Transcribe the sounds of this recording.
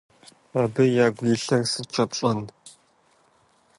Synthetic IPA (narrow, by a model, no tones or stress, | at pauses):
aːbɨjaːɡʷjiɬɐrsɨt͡ʃʰʼɐpɕʼɐn